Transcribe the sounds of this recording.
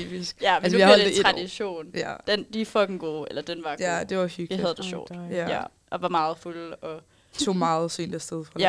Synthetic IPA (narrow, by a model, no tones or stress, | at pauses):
ḭb̥isɡ̥jæælsəihɒld̥ʁɑ̈d̥iɕo̝̰ːnæd̥end̥ifɒ̽ɡ̥n̩ɡ̥o̝ːelɐd̥enʋɑ̈ɡ̥æd̥e̝ʋɑhyɡ̥hæð̞ˠəd̥e̝ɕɒ̰̥ːd̥jæjæ | ʔɒ̽ʋɑ̈mɑ̈ːð̞̩ˠfulɒ̽ | t͡sʰo̝̰ːmɑ̈ːð̩ˠsy̰nd̥æsd̥eðˠfʁɑæ